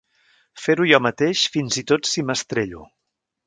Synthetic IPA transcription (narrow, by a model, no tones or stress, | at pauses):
feɾujɔmət̪eʃfinzit̪ot̪siməst̪ɾeʎṵ